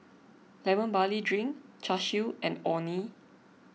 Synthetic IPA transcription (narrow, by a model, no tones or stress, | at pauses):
lɛmə̃nbalidɹĩŋt͡ʃaʃuɛ̃nɔni